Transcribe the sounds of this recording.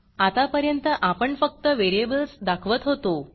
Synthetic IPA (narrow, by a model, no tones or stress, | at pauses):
at̪apəɾjənt̪əʔapəɳfək̚t̪əʋeɾiebəlsd̪akʰʋət̪ɦot̪o